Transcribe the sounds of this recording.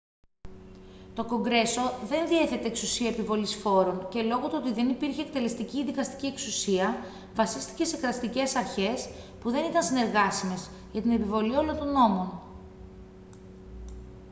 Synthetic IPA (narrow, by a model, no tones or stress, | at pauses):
t̪o̞ko̞ŋɡɾe̞so̞ðe̞nðie̞θe̞t̪e̞ːksusiɐepivo̞lisfo̞ɾo̞nce̞lo̞ɣot̪oot̪iðe̞nipiɾçeːkt̪e̞le̞st̪icinðikɐst̪i̥cieksusiɐ | vɐsist̪i̥ce̞se̞kɾɐst̪ice̞sɐɾçe̞s | puðe̞nit̪ɐnsine̞ɾɣɐsime̞z | ʝɐt̪ine̞pivo̞lio̞lo̞nt̪o̞no̞mo̞n